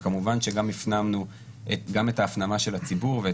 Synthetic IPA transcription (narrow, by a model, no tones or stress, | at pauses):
kamuvanʃe̞ɡamifnamnu | ʔetɡame̞taːfnamaʃe̞lat͡sibuʁve